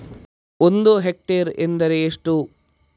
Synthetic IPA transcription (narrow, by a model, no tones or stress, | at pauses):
ond̪uɦek̚ʈeɾend̪ɐɾeːʂʈu